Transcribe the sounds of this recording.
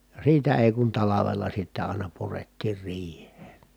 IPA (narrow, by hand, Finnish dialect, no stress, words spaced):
jɑ siːtæ eˑi kun tɑlɑʋelːɑ sitːæ ɑˑinɑ puretːiːr riːhˑeːn̞